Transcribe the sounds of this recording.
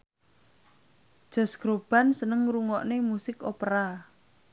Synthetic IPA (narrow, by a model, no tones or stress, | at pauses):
d̥ʒ̥ɔ̤sɡ̥ɾob̥a̤nsənəŋɾuŋɔʔnemusɪkopɾa